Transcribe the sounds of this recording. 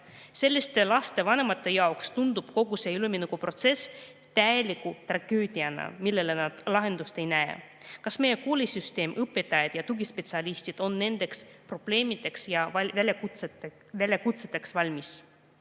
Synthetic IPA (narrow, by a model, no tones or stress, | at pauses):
se̞lʲːist̪e̞lɑst̪e̞vɑne̞mɑt̪ːˑe̞jɑokst̪und̪̥ub̥ko̞ɡ̥use̞ːylminukupro̞t̪se̞s | t̪æjelikˑut̪rɑɡ̥øːd̪̥iɑnɑ̰milːe̞le̞nɑd̪̥lɑɦe̞nd̪ust̪e̞jnæḛ | kɑsme̞jeko̞ːlʲisyst̪e̞ːmʔɤpːˑet̪ːˑɑjɑd̪̥jɑt̪uɡispe̞t̪siɑlʲist̪id̪̥o̞nːe̞nd̪̥e̞kspro̞b̥le̞ːmid̪e̞ksjɑɑvælʲeku | vælʲːekut̪set̪ːˑe̞ksvɑlʲmis